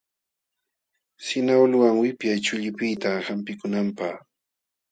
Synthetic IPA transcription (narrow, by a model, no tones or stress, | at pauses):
sɪnaolʊwaŋwɪpjajt͡ʃʊʎɪpɪjt̪ahampɪkʊnampaχ